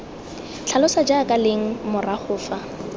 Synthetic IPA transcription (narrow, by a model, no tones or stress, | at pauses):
t͡ɬʰalʊsad͡ʒaːkʼaleŋ̩mʊraχʊːfa